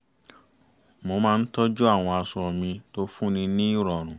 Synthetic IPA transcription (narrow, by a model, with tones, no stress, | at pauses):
mo˧mãː˦˧n̩˦tɔ˦d͡ʒu˦a˦˨w̃ɔ̃˧a˧sɔ˨˧ɾɔ˨mĩ˧to˦fũ˦nĩ˧nĩ˦i˦˨ɾɔ˨ɾ̃ũ˨